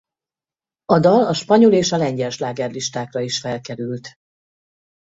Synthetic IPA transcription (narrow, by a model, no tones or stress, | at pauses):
ɒd̪ɒlɒʃpɒɲoleːʃɒlɛɲɟɛlʃlaːɡɛrliʃt̪aːkrɒiʃfɛlkɛɾylt̪